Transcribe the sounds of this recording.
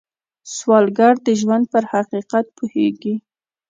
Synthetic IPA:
swɑlɡaɽd̪əʒwand̪̚pəɾhaqiqat̪̚pʰoheɡi

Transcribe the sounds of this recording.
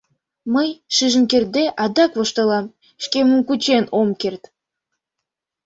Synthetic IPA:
məjʃiʒə̆nkʲerd̪eʔɑd̪ɑkvɤ̆ʃt̪ɤ̆lˠɑm | ʃkʲemumkut͡ɕenomkʲert̪

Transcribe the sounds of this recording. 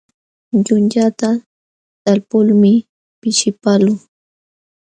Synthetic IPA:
ʎʊnʎat̪a | t̪alpʊlmɪ | pɪʃɪpalʊŋ

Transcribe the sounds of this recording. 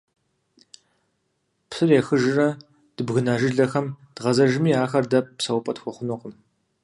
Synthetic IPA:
psɨrjɛxɨʒɨrɐ | d̥ɨbɣɨnaːʒɨɮɐxɐmd̥ʁɐzɐʒɪmiːaːxɐrdɐp̚psɐwpʼɐtxʷʊχʷʊnʊqm

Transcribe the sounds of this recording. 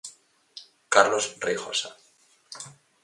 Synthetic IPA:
kaɾlosrexo̰sa

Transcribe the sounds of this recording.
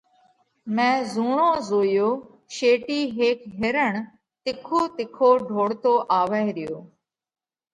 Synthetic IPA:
mɛ̃ːzuːɳõːzoːjoː | ʃeːʈiːɦeːkɦɪɾəɳ | t̪ɪkʰoːt̪ɪkʰoːɖʱoːɽt̪oːʔaːʋəeɾɪjoː

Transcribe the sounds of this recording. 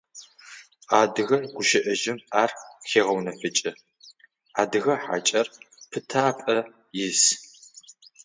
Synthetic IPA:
aːdɨɣɐrɡʷʊʃɪʔɐʒɪmaːrxeːʁɐwnɐfɨt͡ʃʼɐ | aːdɨɣɐħa̰t͡ʃʼɐrpʰɨtʰaːpʼɐ | jɪs

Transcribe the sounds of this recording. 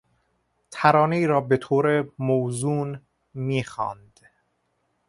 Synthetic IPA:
t̪ʰæɾɒːneiːɾɒːbet̪ʰoːɾemoːzuːn | miːxɑ̰ːnd̪̥

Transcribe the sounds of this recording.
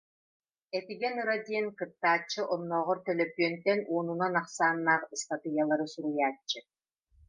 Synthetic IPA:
ɛt̪iɡɛnɯɾad̪iɛnkɯt̪ːaːt͡ɕːɯʔɔnːɔːʁɔɾt̪ɛlœpyœnt̪ɛnuːnunanaχsaːnːaːχst̪at̪ɯjalˠaɾɯsuɾujaːt͡ɕːɯ

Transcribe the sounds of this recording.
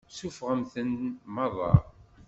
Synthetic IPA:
sufʁəmθənmɑðˤɑ̰

